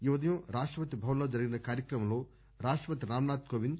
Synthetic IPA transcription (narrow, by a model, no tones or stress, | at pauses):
iʋɐd̪ɐjɐmɾaːʂʈɾɐpɐt̪ːibʱɐʋɐnloːd͡ʒɐɾiɡinɐkaːɾjɐkɾɐmɐmloː | ɾaːʂʈɾɐpɐt̪iɾaːmnaːt̪koːʋind̪